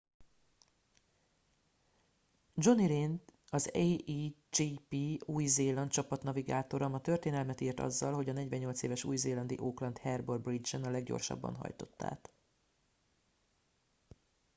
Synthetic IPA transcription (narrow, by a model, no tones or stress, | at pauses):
d͡ʒo̞niɾeːnt̪ɒzeid͡ʒipiuːjzeːlɒnt̪t͡ʃɒpɒt̪nɒviɡaːt̪o̞ɾɒmɒt̪ørt̪eːnɛlmɛt̪iːrt̪ɒ̰zːɒlɦo̞ɟɒnɛɟʋɛɲːo̞lt̪seːvɛʃṵːjzeːlɒnd̪iʔoːklɒnt̪hɛrborbrid͡ʒɛnɒlɛɡɟo̞̰rʃɒ̰bːɒ̰nɦɒ̰jt̪o̞̥t̪ːa̰ːt̪